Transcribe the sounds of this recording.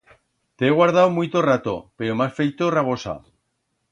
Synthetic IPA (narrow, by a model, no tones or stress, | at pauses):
t̪eeɣ̞waɾð̞awmujt̪orat̪o̰peɾomasfejt̪oraβ̞osa̰